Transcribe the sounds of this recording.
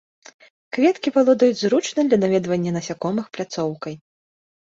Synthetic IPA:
kvʲɛt̪kʲipalˠɔd̪ɐjud͡zʲzɾut͡ʂnɐd̪lʲɐnavʲɛd̪vɐnʲːɐnɐsʲakɔmɨxplʲat̪sɔwkɐj

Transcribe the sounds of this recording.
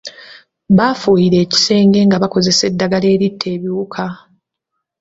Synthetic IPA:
βafujiɾe̞ːci̥se̞ːŋɡe̞ŋɡaβako̞ze̞se̞dːaɡale̞ːɾitʰːe̞ːβiukʰa

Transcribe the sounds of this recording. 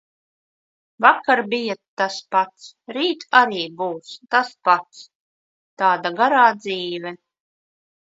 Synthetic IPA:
vakːaɾbijat̪aspat̪sɾiːt̪aɾiːbuːst̪aspat̪s | t̪aːd̪aɡaɾaːd̪ziːvʲɛ

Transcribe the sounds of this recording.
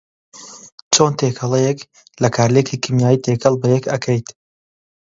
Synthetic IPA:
t͡ʃont̪ʰekʰɐlˠejɛk | lɐkʰaːɾlekʰikʰimjaːjit̪ʰekʰəlˠbɐjɛkɐkʰɐjt̪

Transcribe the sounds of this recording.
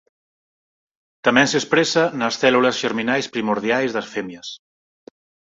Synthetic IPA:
t̪amɛnsespɾesanəsθɛluləzʒeɾminajspɾimuɾð̞jajzðəsfɛmjəs

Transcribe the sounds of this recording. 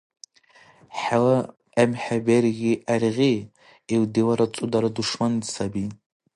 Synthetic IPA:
ħala | amħaberɡʲiʔarʁʲi | iwdilaɾat͡sʼudaɾaduʂmandsabi

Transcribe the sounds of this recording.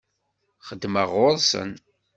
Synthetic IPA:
χəd̪ːməʁʊɾˤsə̰n

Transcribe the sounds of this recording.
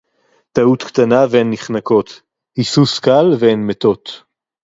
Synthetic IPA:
t̪aut̪kt̪anaveenːiχnako̞t̪ | hisuskalveenmet̪o̞t̪

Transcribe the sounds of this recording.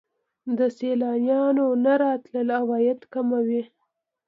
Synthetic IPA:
d̪əselɑnjɑnonaɾɑt̪ləlawɑjad̪kamawi

